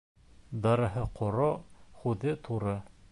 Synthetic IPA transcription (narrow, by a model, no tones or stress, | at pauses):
d̪ɑɾɤ̆ɦɤqʰŏɾoχʉðɘt̪ʰuɾɤ